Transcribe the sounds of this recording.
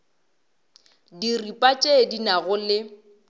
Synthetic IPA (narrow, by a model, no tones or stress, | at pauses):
diripʼat͡ʃʼedinaɣʊlɪ